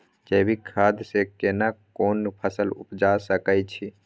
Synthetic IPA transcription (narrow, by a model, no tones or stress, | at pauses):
d͡ʒebʱikʰad̪sekenakoːnpʰəsəlṵpd͡ʒasəkət͡ʃʰi